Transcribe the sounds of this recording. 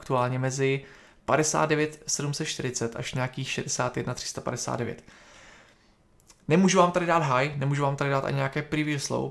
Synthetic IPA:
kt̪uaːlɲɛmɛzɪ | padɛsa̰ːt̪d̪̚dɛvjɛt̪sɛdumsɛt̪ʃt̪ɪɾɪt͡sɛt̪ʔa̰ʃɲɛakiːxʃɛdɛsaːt̪jɛdnat̪r̝̥ɪ̥st̪apa̰dɛsa̰ːd̪dɛvjɛ̰t̪ | nɛmuːʒuvaːmt̪aɾɪdaːd̪ɦajnɛmuːʒuvaːmt̪adɪdaːt̪ʔa̰ɲɪɲɛakɛːpɾɪvislo̰w

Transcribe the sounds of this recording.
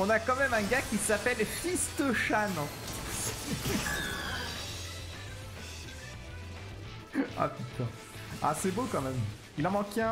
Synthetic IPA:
ɔ̃nakɑ̃mɛmɛ̃ɡakʲisapɛlfist̪əʃañ | a̰pyt̪ã | a̰sɛbokɑ̃mɛm | ilɑ̃mɑ̃keɛ̃

